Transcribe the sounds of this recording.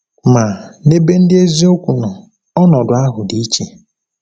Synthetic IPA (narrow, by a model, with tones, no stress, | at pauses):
ma˨ne˦be˦n̩˦dɪ˦e˦zi˦o˦kʷu˨nɔ˨ | ɔ˦nɔ˨dʊ˨a˦ɦʊ˨di˦i˦t͡ʃe˨